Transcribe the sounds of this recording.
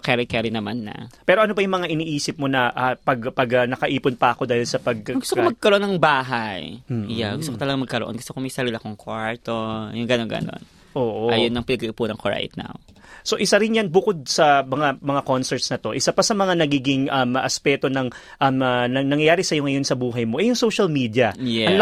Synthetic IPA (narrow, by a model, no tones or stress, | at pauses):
kɛɾɪkɛɾinɐmanːɐ̰pɛːɾo̞ʔɐnobɐjʊŋmɐŋaʔɪniːʔiːsɪp̚mo̞nɐʔapɐɡpɐɡɐnɐkɐʔiːpʊnpɐɐko̞d̪aːhɪlsɐpɐɡ̚ɡʊst̪okmɐɡ̚kɐɾoʔonːɐŋbaːɦaj̩jaɡʊst̪okot̪ɐlɐɡamɐɡ̚kɐɾo̰ʔonɡʊst̪okomɐjsɐɾilɐkoŋkwaɹt̪ojʊŋɡɐnonɡɐ̰no̞̰n | ʔoːʔoʔajonːɐŋpɪnɐɡɐʔɪpunɐŋkoɹa̰jt̪̚na̰w | so̞ʔɪsaɾɪnjanbʊko̞d̪̚sɐmɐŋamɐŋako̞nsɛɹt̪snɐt̪o̞ʔɪsapɐsɐmɐŋanɐɡiːɡɪŋʔɐmʔɐspɛːt̪o̞nɐŋ | ʔɐmɐnɐnɐŋjɐjaːɾɪsɐjo̞ŋɐjo̞nsɐbuːɦɐjmo̞ʔɛjʊŋso̞wʃɐlmiːd̪jɐɐŋ